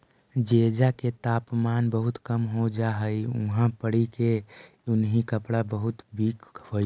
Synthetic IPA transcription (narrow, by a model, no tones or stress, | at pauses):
d͡ʒeːd͡ʒaket̪aːpmaːnbəɦʊt̪kəmɦod͡ʒaːɦəiuʊ̰ɦãpəɽike | ʊnɦikəpɽabəɦʊt̪biːkhoːj